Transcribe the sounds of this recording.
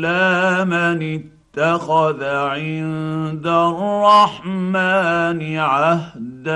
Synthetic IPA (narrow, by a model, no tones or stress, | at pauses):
lamanɪt̪ːaxaðaʕɪnd̪arˤːɑħmaːnɪʕahd̪a